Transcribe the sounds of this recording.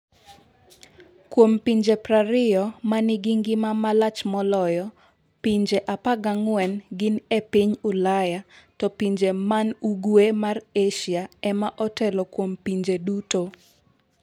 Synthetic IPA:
kwompiɲd͡ʒepɾaɾɪjɔmanɪɡiŋɡɪmamalat͡ʃmɔlɔjɔ | piɲd͡ʒeʔapaɡaŋwɛnɡɪnepɪɲʊlajatɔpiɲd͡ʒemanuɡwemareʃjaɛmaʔɔtɛlɔkwompiɲd͡ʒeduto

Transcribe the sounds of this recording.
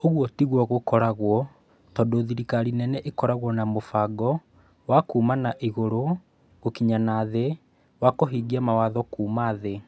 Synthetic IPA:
oɣwɔtiɣwɔɣokɔɾaɣwɔ | tɔːndoðiɾikaɾinɛnɛʔekɔɾaɣwɔnamofaɡɔ | wakuːmanaʔiɣoɾo | ɣokiɲanaðe | wakoɦiɡiamawaðɔkuːmaðe

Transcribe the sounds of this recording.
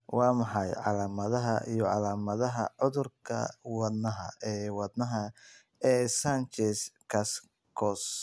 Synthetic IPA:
wɑːmɑħɑjʕɑ̰laːmɐðɐɦɐʔijɔʕɑlaːmɐðɐɦɐʕʊðʊrkʰɐ̰wɐd̪nɐɦɐ̰ɛːwɑd̪nɐɦɐ | ɛːsɐnt͡ʃɛskʰɐs | kʰɔs

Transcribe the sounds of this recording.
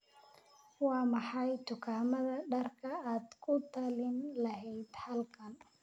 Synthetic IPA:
wɑːmɑħɑjt̪ʰʊkʰaːmɐðɐɖɐrkʰɐaːd̪kʰʊt̪ʰɐlɪnlɐɦɛjd̪hɐlkʰɐn

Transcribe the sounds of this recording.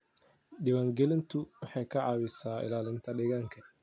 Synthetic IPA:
ɖɪwaːŋɡɛlɪnt̪ʰʊwɑħɑjkʰɐʕɑːwɪsaːɪ̰laːlɪnt̪ʰɐɖɪɣaːŋkʰɐ

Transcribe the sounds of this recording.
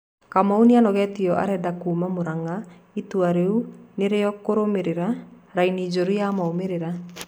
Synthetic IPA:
kamaunianɔɣɛtiɔʔa̰ɾɛdakuːmamoɾaŋaituaɾeuneɾeɔkoɾomeɾeɾaɾainid͡ʒoɾujamaomeɾeɾa

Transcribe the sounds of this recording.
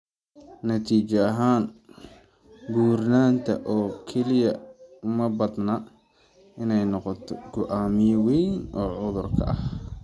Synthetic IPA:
nɐt̪ʰiːt͡ʃɐɐɦaːn | ɡuːrnaːnt̪ʰɐ̰ʔɔːkʰɛlɪjɐmɐbɐd̪nɐ | ɪnɛjnɔqɔt̪ʰɔɡ̥ʊʔaːmɪjwɛjnʔɔːʕʊðʊrkʰɐ̰ʔɐh

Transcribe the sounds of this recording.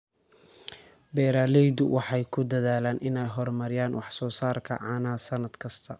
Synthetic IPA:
bɛːɾaːlɛjðʊwʔɑħɑjkʰʊd̪ɐðaːlaːnʔɪnɛjɦɔrmɐɾɪjaːnwɑħsɔːsaːrkʰɐ̰ʕɑːnaːsɐnɐd̪kʰɐst̪ʰɐ

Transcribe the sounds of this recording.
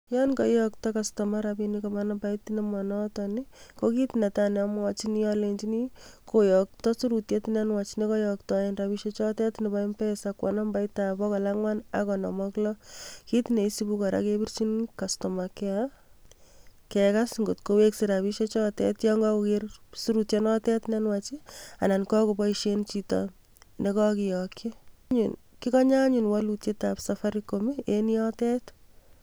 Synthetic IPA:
jɔnkɔjɔktɔkastɔmaɾabinikɔmanabaitinemɔnɔtɔnikokitinetanɛamwat͡ʃinijɔlend͡ʒinikojɔk̚tɔsuɾutjetinanwat͡ʃinekɔjɔk̚tɔenrabiʃet͡ʃɔtɛtnibaimpɛsakwa̰nambaitabɔkɔlaŋwana̰kɔnɔ̰mɔklɔkit̪ineisibukɔɾa̰kebirt͡ʃinkastɔmakɛa | kɛkasŋɡotkoweksiɾaβiʃet͡ʃɔtɛ̰tjɔŋɡɔukersuɾutjenɔtɛtnɛnwat͡ʃianankɔkobɔiʃent͡ʃitɔ̰ | nekɔkijɔkjeɲunkikɔɲaɲunwalutjetapsafaɾikomienijɔtɛt

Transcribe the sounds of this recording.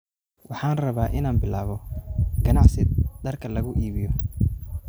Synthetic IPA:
wɑħɑːnrɐβaːʔɪnaːnbɪlaːβɔɡɐnɑʕsɪd̪̥ɐrkʰɐlɐɣʊʔiːβɪjɔ

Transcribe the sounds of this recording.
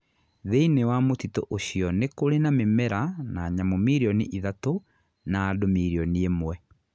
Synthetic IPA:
ðeinewamotitoʔoɕijɔnekoɾenamemɛɾanaːɲamomiɾiɔnḛʔiðato | naːdomiɾiɔniemwɛ

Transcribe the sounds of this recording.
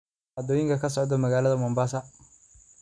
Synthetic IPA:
ad̪ɔːjɪŋkʰɐkʰɐs̬ɔʕd̪ɔmɐɣaːlɐðɐmɔmbaːsɐ

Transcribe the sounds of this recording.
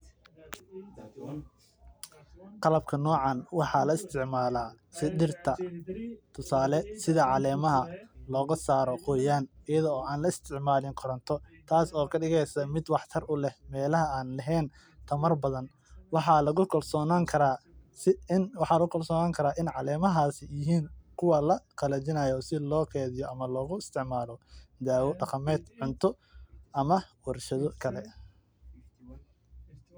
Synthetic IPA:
qɑlɐb̚kʰɐnɔːʕɑnwɑħɑlɐɪst̪ʰɪʕmaːlaː | sɪdɪrt̪ʰɐ | t̪ʰʊsaːlɛsɪðɐʕɑlɛːmɐɦɐlɔːɣɐsaːɾɔqɔːjaːnɪjɐðɔɔːaːnlɐɪst̪ʰɪʕmaːlɪŋqʰɔɾɐnt̪ʰɔt̪ʰaːsɔːkʰɐɖɪɣɛjsɐmɪd̪wɑħt̪ʰɐrʊlɛhmɛːlɐɦɐaːnlɐɦɛːn | t̪ʰɐmɐrbɐðɐn | wɑħɑlɐɣʊkʰɐlsɔːnaːŋkʰɐɾaːsɪnwɑħɑːlɐɣʊkʰɐlsɔːnaːŋkʰɐɾaːʔɪnʕɑlɛːmɐɦaːsɪjɪɦiːnkʰʊwɐlɐqɐlɐt͡ʃɪnɐːjɔsɪlɔːkʰɛːðɪjɔʔɐmɐlɔːɣʊɪst̪ʰɪʕmaːlɔd̪aːwɔɖɑqɐmɛːd̪ʕʊnt̪ʰɔ | ʔɐmɐwɑrʃɐðɔkʰɐlɛ

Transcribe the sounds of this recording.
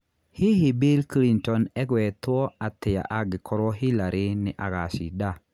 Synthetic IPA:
hiɦibilklintɔnɛɣwɛt̪wɔat̪ɪja̰ʔaɡɪkʰɔɾɔɦilaɾɪnɪʔaɣasḭda

